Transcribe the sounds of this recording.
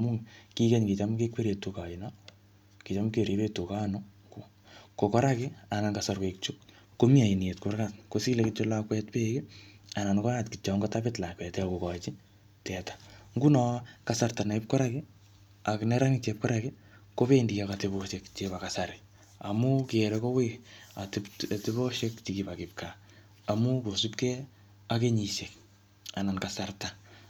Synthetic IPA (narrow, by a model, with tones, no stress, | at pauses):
amuki˦kɛ˦ɲki˨t͡ʃamkekwe˦ɾje˨tuka˨ina | ki˨t͡ʃa˦mke˨ɾe˦pe˦tu˨ka˦nɔ | ko | kokɔ˦ɾa˦kɪa˨na˨kasarkek̚t͡ʃu˦k | ko˦mi˦a˨i˨ni˨e˨tkʊrkatkosile˨kɪt͡ʃolakwɛtpekɪa˨na˨nkɔ˦ɾatkɪ˨t͡ʃaŋɡɔtapɪtla˨kwɛ˨tako˨ka˨t͡ʃi˦ | tɛ˨tḁŋɡu˦nɔ˦kasarta˨na˨ip̚kɔ˦ɾakɪ | a˨knɛ˦ɾa˦ŋɪt͡ʃep̚kɔ˦ɾakɪ | ko˦pe˦ndika˨kateboʃekt͡ʃepa˨kasa˨ɾɪ | amu˦kɪɾɛko˦wea˨tɪptɪbo˦ʃe˦kt͡ʃikipakɪp̚ka | a˨mu˦ko˨supkɛ˦ | a˦ke˦ɲi˨sek | a˨na˨nka˨sarta